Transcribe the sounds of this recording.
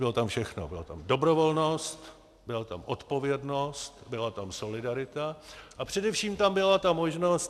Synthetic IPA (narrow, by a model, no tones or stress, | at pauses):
bɪlo̞t̪amfʃɛxno̰bɪlot̪a̰mdo̞bɾo̞vo̞lno̞st̪ | bɪlat̪amʔo̞t̪po̞vjɛdno̞st̪bɪlat̪amso̞lɪdaɾɪt̪aʔapr̥ɛdɛfʃiːmt̪ambɪlat̪amo̞ʒno̞st̪